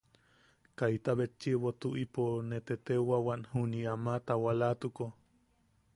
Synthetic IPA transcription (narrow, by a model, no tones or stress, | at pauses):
kajt̪aβet͡ʃːiwot̪uʔiponet̪et̪ewawaʔnhuniamat̪awalat̪uko